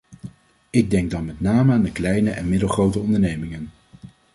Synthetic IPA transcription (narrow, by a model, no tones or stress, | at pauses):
ɪɡ̚dɛŋɡ̚dɑnmɛtnaːməaːndəklɛjnəʔɛnmɪdəlˠχrowtəɔndəɹnejmɪŋən